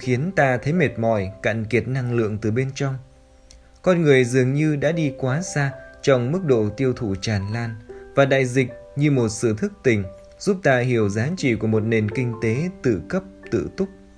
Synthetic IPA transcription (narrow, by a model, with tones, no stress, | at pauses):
xi˨˦ənt̪aː˧t̪ʰə˨˦jme˨˩t̚mɔ̰˧˨jka̰ː˧˨nki˨˩ət̚na˧ŋlɨ̰˧˨əŋt̪ɨ˨˩ɓe˧nt͡ɕɔ˧wŋ͡m | kɔ˧nŋɨ˨˩əjzɨ˨˩əŋɲɨ˧ɗa̰ː˧˥ɗi˧kwaː˨˦saː˧t͡ɕɔ˧wŋ͡mmɨ˦˥k̚ɗo̰˧˨t̪i˧əwt̪ʰu˧˩t͡ɕaː˨˩nlaː˧nvaː˨˩ɗa̰ː˧˨jzï˨˩k̟̚ | ɲɨ˧mo˨˩t̚sɨ̰˧˨t̪ʰɨ˦˥k̚t̪ï˨˩ŋ̟ | z̥u˦˥p̚t̪aː˧ɦi˧˩əwzaː˨˦t͡ɕḭ˧˨ku˧˩əmo˨˩t̚ne˨˩nkï˧ŋ̟t̪e˨˦t̪ɨ̰˧˨kə˦˥p̚t̪ɨ̰˧˨t̪ʊ˦˥k͡p̚